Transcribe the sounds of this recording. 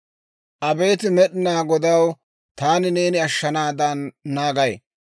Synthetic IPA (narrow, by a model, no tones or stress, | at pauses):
ʔɐbe̞ːt̪ɪmɛɗɪnaːɡɔd̪ɐw | t̪aːnɪne̞ːnɪɐʃːɐnaːd̪ɐnːaːɡɐj